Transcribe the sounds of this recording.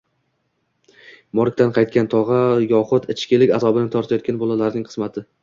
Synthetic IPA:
mɒɾk̚ʲt̪anqʰɑjt̪̚kʲant̪ʰɒʁɑjɒχʊt̪ɪt͡ʃʰkʲɪlɪkʲazɒbɪnɪt̪ʰɒɾt̪ʰajɒt̪̚kʲanbolˠalaɾnɪŋqʰɨ̥zmat̪ʰɪ

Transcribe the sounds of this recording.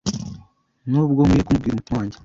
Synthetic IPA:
noβɡoːmujekumubɡiɾemutwaːɲɟe̥

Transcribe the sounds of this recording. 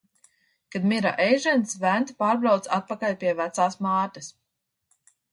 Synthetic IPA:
kad̪mʲiɾa̰ʔɛjʒɛnsvænt̪paːɾbɾawt̪sat̪̚pakalʲpʲiɛvæt̪saːsmaːt̪as

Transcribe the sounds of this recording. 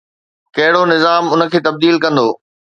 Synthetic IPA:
kɐɦɪɽonɪzaːmʊnə̆kʰeːt̪ɐb̚d̪iːlkɐ̃nd̪o̰ː

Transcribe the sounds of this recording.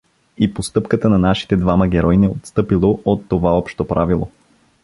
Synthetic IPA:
ipost̪ɤpkət̪ənɐnaʃi̥t̪ɛd̪vaməɡʲɛɾɔjnɛot̪st̪ɤpilˠoʔot̪ːovaɔpʃt̪opɾavilˠo̰

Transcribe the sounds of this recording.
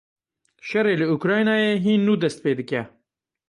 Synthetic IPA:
ʃɐreːlɨukɾɑːjnɑːjeːɦiːnːuːd̪ɐst̪̚peːd̪ɨkɛ

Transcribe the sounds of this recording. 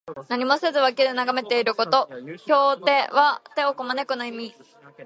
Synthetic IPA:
naɲ̟imose̞zɨβaked̪enaɡame̞t̪e̞iɾɯ̟ko̞t̪o̞kʲo̞ːt̪e̞βat̪e̞o̞komane̞kɯnoimʲi

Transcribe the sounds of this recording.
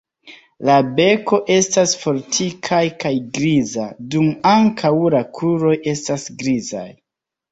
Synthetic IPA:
labe̞ko̞ʔe̞stasfo̞ɾtʰikʰajkajɡɾizadumaŋkʰawlakʰuɾo̞je̞stasɡɾiza̰j

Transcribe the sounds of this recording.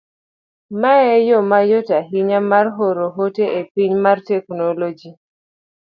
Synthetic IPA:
maɛjomajotaɦiɲamarɦoɾoɦoteʔepiɲmartɛknolod͡ʒi

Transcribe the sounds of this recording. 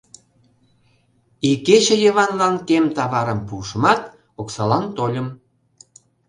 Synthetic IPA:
iket͡ɕĕjə̆βɑnlɑnkemt̪ɑβɑɾəmpuʃəmɑt̪ | oksɑlɑnt̪olʲəm

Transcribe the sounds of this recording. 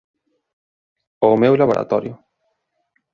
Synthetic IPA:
omewlaβoɾʔa̰t̪ɔɾjʊ

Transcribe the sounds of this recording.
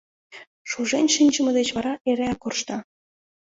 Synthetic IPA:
ʃuʒenʲʃinʲʒəmə̆d̪et͡ɕβɑɾɑʔeɾeɑkorʃt̪ɑ

